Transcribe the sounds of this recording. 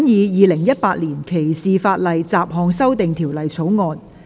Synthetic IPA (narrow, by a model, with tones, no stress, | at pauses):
mjiː˨˧jiː˨˧lɪ˨˩ŋjɐ˥t̚paː˧t̚liː˨˩nkʰe˨˩jsiː˨faː˧t̚lɐ˨jt͡saː˨p̚ɦɔː˨˧ŋsɐ˥wt̪ɪ˨ŋt̪ʰiː˨˩wlɐ˨jt͡sʰo˨˥wŋɔː˧n